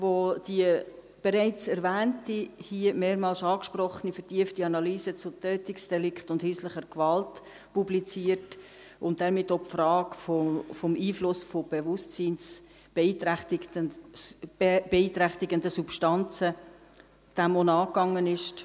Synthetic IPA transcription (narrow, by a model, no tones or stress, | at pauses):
ʋod̥iə | b̥eɾɛɪt͡sɛɾvæːntihiəmeːɾmɑːlsɑːkʃprɔχənifəɾtiəftiɑnɑlyːsət͡sʊtøːtɪksd̥ɛlɪkχtʊndhyːsləχəɾkvɑlt | publit͡siːəɾt | ʊnt̚dɛɾmɪtːopfrɑːkfofomʔiːflʊsfob̥ɛvʊstt͡siːns | b̥eiːtt | b̥eiːt̪ɾæχtɪɡəndəsupʃtɑnt͡sə | d̥æmonɑːkɑŋːənɪʃt